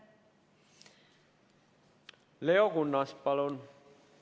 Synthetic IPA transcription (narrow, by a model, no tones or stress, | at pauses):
leokunːɑspɑlon